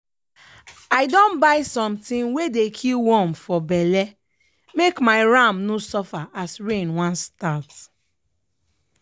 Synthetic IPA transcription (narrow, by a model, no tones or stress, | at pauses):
aɪdɔ̃nbaɪsɔ̃mtĩnwedekʰiwɔ̃mfɔbɛlɛ | mekmaɪɹãmnosɔfaʔasɹẽnwãnstat